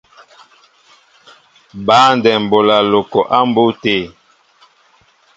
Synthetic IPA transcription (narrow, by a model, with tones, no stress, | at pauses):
baː˨˦ndɛ˨m˨bo˨la˨lo˨kɔ˨ʔa˦mbo˦teː˦˨